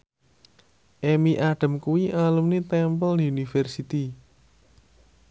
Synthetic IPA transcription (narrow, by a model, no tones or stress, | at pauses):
ʔemiʔaɖ̥ə̤mkuwiʔalumnit̪ɛmpəldiunifɛrsit̪i